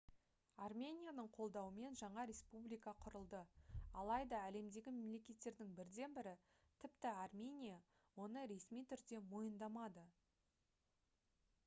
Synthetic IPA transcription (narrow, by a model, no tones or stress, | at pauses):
ɑrmʲe̞nʲijanəɴqʰo̞lˠd̪ɑwəme̞nʒɑɴɑɾʲe̞spublijkɑqʰʊɾəlˠd̪əɑlˠɑjd̪ɑæle̞md̪e̞ɡʲɪme̞mle̞kʲe̞t̪ːe̞ɾd̪ɪŋbɪɾd̪e̞nbɪɾɪ | t̪ʰɪpt̪ɪarmʲe̞nʲija | wo̞nəɾe̞smijt̪ʰʏɾd̪e̞mo̞jənd̪ɑmɑd̪ə